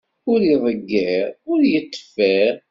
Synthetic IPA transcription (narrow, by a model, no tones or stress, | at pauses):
ʊɾiðˤəɡːəʁʊɾjət̪ːfæɾ